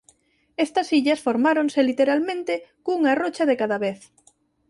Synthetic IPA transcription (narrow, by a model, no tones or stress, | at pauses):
est̪ɐsiʎɐsfoɾmaɾoŋselit̪eɾalmẽnt̪ɪkuŋarot͡ʃɐðekaðaβeθ